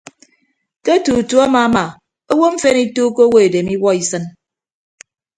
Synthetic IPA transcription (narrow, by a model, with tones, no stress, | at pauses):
te˦tu˨tu˨˦a˦ma˨˦ma˨ | o˦wo˦m̩˦fe˦ni˦tuː˦ko˦wo˦e˨de˨mi˦wɔ˦i˨sɨ˦n